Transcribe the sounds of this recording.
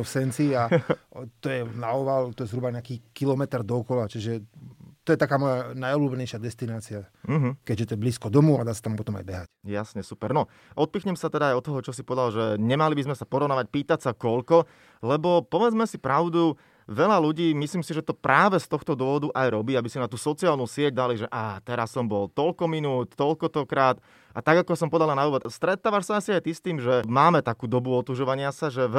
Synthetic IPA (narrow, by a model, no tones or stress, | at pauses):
fsɛnt͡sia | t̪ɔjɛnaɔʋalt̪ɔjɛzɦɾubaɲɛakiːkilɔmɛt̪ɾd̪ɔɔkɔlat͡ʃiʒɛt̪ɔjɛt̪akaːmɔjanajɔbluːbɛɲɛjʃɪad̪ɛst̪inaːt͡siam̩ːɦ̩kɛɟʒɛt̪ɔjɛbliːskɔd̪ɔmuad̪aːsat̪ampɔt̪ɔma̰jbɛɦacjasɲɛsupɛɾnɔ | ʔɔt̪̚piːxɲɛmsat̪ɛd̪aːjɔt̪ːɔɦɔt͡ʃɔsipɔʋɛd̪alʒɛɲɛmalibizmɛsapɔɾɔʋnaːʋac̚piːt̪asakɔʎkɔ | lɛbɔpɔʋɛd͡zmɛsipɾaʊd̪u | ʋɛʎaluɟiːmisliːmsiʒɛt̪ɔpɾaːʋɛst̪ɔxt̪ɔd̪ʊɔɦɔd̪uʔajɾɔbiːabisinat̪uːsɔt͡siaːlˠnusɪɛɟ̚d̪aliʒɛʔat̪ɛɾasːɔmbɔlt̪ɔʎkɔminuːt̪t̪ɔʎkɔt̪ɔkɾaːt̪ | ʔat̪aɡakɔsɔmpɔd̪alanauːʋɔt̪st̪ɾɛt̪aːʋaʃsaasiajt̪ist̪iːmʒɛmaːmɛt̪akuːd̪ɔbuɔt̪uʒɔʋaɲɪasaʒɛ